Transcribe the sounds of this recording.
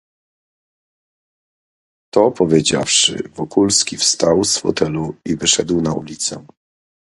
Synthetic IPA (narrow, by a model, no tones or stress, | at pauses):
t̪ɔpɔvʲjed͡ʑa̰fʂɘ̰vɔkulskʲifst̪awsfɔ̰t̪ɛluivɘʂɛd̪wnaṵlʲit̪sɛ